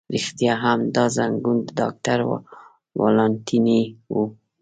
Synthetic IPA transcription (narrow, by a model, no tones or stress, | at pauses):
ɾixt̪ijaɦamd̪ɑzaŋɡund̪d̪ɑ̰k̚t̪aɾ̰ | wɑ̰lɑnt̪ʰiniwu